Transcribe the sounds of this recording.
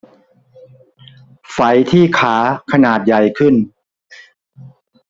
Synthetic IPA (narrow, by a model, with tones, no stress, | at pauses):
fa˩˦jt̪ʰiː˥˩kʰaː˩˦kʰa˧naː˨˩t̪̚ja˨˩jkʰɯ˥˩n